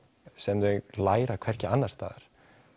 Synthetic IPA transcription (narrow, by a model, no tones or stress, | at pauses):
sɛmt̪ʏɛlaːjɾakʰv̥ɛr̥cɪanːaɾ̥st̪a̰ːðaɾ̥